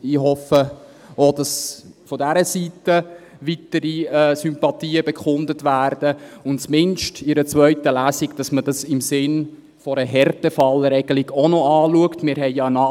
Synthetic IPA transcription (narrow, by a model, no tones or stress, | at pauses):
iɦɔfə | od̥ɑsfɔdæɾəsitə | ʋitəɾiɛsympɑtiːəbɛkχʊndətʋæːrd̥əʊnt͡smɪnʃtɪɾət͡svœʏtəlæːsiɡd̥ɑsmədɑsɪmsɪn | fɔɾəɦɛrtəfɑləɾɛɡ̥əliɡonɔɑːluəktmɪːɾɦɛɪjɑənɑ